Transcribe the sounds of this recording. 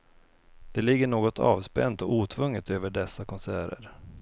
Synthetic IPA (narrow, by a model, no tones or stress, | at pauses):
d̪̥ɛlɪɡːəɳoːɡɔt̪ʰɑ̰ːvspɛnt̪ɔʔuːt̪ʰvɵŋːət̪øːvəɖɛsːakʰɔnsæːɾə̰ɾ